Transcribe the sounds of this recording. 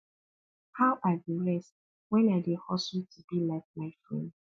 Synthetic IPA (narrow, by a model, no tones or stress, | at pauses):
hawʔadiɹɛst | wɛ̃nadehɔsɔltʰubilaɪk̚maɪfɹɛ̰̃nd